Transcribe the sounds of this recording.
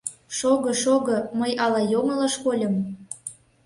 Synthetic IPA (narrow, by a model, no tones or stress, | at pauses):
ʃoɣɤ̆ʃoɣɤ̆məjʔɑlɑjomə̆lɑʃkolʲɤ̆m